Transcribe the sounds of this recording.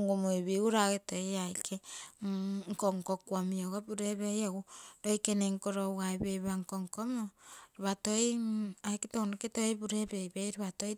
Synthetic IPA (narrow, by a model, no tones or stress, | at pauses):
ŋɡumoiβiuɾaketojajkʰe | ŋkoŋkokwamioɡabuɾeβejaɡudojkeneŋkoɾowajbejβaŋkoŋkomoɾiβatojajketonuketobuɾebejbejɾiβatoj